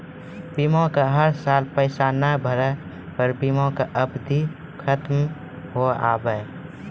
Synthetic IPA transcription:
bimõkaɦəɾsaːlpəɪsanəbʱəɾə | pəɾbimõkaʔəbd̪ʱi | kʰət̪m | ɦoa̰ːbəe

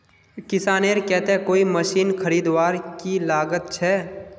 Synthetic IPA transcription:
kɪsaːneːɾkɛɦt̪eɦɛ̃koːiməʃiːnkʰəɾiːd̪waːɾkilaːɡət̪̚t͡ʃʰɛː

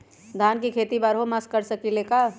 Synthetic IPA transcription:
d̪ʱaːnkikʰeːt̪ibaɾɦomaskːəɾsəkileːka

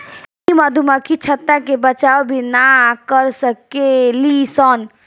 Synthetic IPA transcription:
kimad̪ʱumakʰit͡ʃʰət̪ːakebət͡ʃaːobʱinakəɾsəkelisɔn

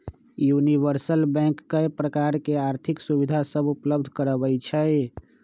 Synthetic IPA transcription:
juniβəɾsəlbɛ̃kːəjpɾəkaɾkeaɾt̪ʰiksubid̪ʱasəbupləbd̪ʱkəɾəbəjt͡ʃʰə

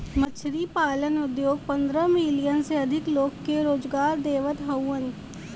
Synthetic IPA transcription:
mɐt͡ʃʰɾipaːlənʊd̪joːɡ̚pɐ̃nd̪ɾəmilijənseɐd̪ʱɪkloːkːeɾoːd͡ʒɡaːɾd̪eːʋət̪ɦɐwːən

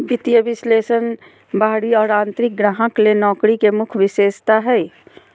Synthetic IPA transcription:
bɪt̪jəbɪsleːsən | baːɽiɔːɾãːnt̪ɾɪk̚ɡɾaːɦə̃klenɔːkɾikemʊkʰʋɪseːst̪aɦɛ

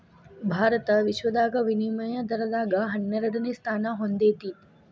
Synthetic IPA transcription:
bʱaːɾət̪əʋɪʃwəd̪aːkɐʋɪniməjə̃d̪ɐɾɐlaːɡɐɦɐnjəɾəɽɐnist̪ʰaːnaɦõnd̪eːt̪iː

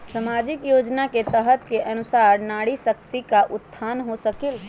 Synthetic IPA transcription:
səmad͡ʒikjod͡ʒnaket̪əɦət̪keʔənusaɾnaɽisəkt̪ikaʔʊt̪ʰːanɦosəkil

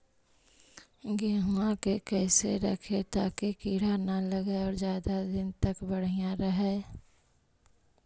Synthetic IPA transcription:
ɡeːɦuãkekɛːseɾəkʰet̪aːkekiːɽ̤analəɡeɔːɾzjaːd̪ad̪ɪnt̪əkbəɽ̤ijãɾəɦɛː

